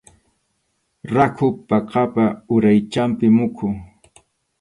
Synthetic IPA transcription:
ɾakʰʊpɑqɑpaʊɾajt͡ʃampɪmʊkʰʊ

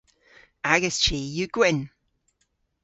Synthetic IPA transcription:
aɡəst͡ʃiːjuɡ̥wɪn

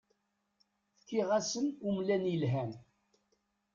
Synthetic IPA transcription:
θkːiʁæsənumlænilɦæn

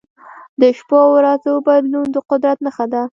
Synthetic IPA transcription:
d̪əʃpowɾazəwəbad̪lund̪əqʊd̪ɾat̪nəxad̪a

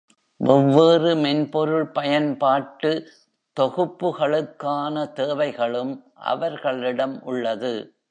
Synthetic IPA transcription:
ʔɔʋːɔrɯmɛnpɔɾɯɭpɐjɐnpaːʈːɯ | t̪ɔɣɯpːɯɣɐɭɯkːaːnɐt̪eːʋɐɪɣɐɭɯmʔɐ̰ʋɐɾɣɐɭɪɽɐmʔʊɭːɐðɯ

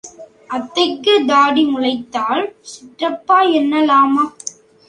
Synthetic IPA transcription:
ʔɐt̪ːɐɪkːɯd̪aːɽimʊɻɐɪt̪ːaːlsɪʈrɐpːaːɛnːɐlaːmaː

